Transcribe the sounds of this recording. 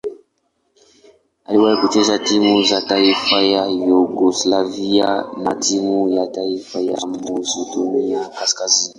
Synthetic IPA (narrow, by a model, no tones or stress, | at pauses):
aliwajikut͡ʃezatimuzataifajajuɡoslaviana̰timujataifaja̰muzodoniakaskazini